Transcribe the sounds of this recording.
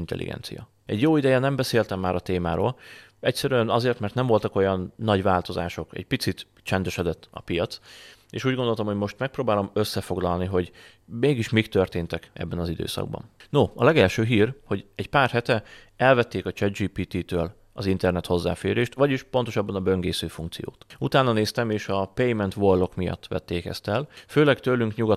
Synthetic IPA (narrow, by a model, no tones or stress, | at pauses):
int̪ɛ̰lʔḭɡɛ̰nsḭjɒ̰ | ɛɟjoːid̪ɛjɛnɛmbɛseːlt̪ɛmːaːɾɒt̪eːmaːɾo̰ːl | ɛcsɛɾyɛnɒzeːrt̪mɛrt̪nɛɱvo̞lt̪ɒko̞jɒnːɒɟvaːlt̪o̞za̰ːʃo̞kɛ̰ɟpit̪sit̪ | t͡ʃɛnd̪ɛʃɛd̪ɛt̪ːɒ̰pijɒt̪sḛːʃuːɟɡo̞nd̪o̞lt̪ɒmhoɟmo̞ʃt̪mɛk̚proːbaːlo̞møsːɛfo̞ɡlɒlniɦo̞ɟ | meːɡiʃmikt̪ørt̪eːnt̪ɛkɛ̰bːɛnɒzid̪ø̰ːsɒ̰ɡ̚bɒ̰nnoɒlɛɡɛlʃøːɦiːrho̞ɟɛɟpaːrhɛt̪ɛɛlvɛt̪ːeːkɒt͡ʃɛd̪d͡ʒiːpiːt̪it̪øːl | ɒzint̪ɛrnɛt̪ho̞zːa̰ːfḛːɾeːʃt̪ʋɒɟiʃpo̞nt̪oʃɒbːɒnɒbøŋɡeːsøːfuŋk̚tsḭjo̰ːt̪ut̪aːnɒneːst̪ɛmeːʃɒpejmɛnt̪ʋorlo̞kmijɒ̰t̪ːʋɛ̰t̪ːeːkɛ̰st̪ɛlføːlɛɡt̪øːlyŋkɲuɡɒ